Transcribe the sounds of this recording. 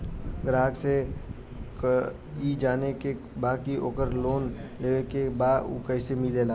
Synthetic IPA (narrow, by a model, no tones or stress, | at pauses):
ɡɾaːɡse | id͡ʒaːneke | baːkiʔoːkəɾloːnleːʋekebaːṵkəɪsemɪlelaː